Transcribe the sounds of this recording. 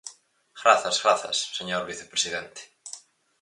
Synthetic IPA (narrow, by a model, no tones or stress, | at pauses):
xɾaθasxɾaθa̰sːɛɲjɔɾviθɛ̥pɾɛsiðɛnt̪ɪ̥